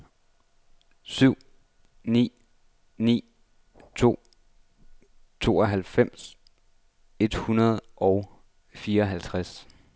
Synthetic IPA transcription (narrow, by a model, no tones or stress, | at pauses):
syʊ̰ | nḭː | nḭː | t͡sʰo̝̰ː | t͡sʰo̝̰ːɒ̽ɦælfem̰s | e̝d̥hunɐð̞̩ˠʔɒʊ | fiːɐɒɦælt͡sʰʁas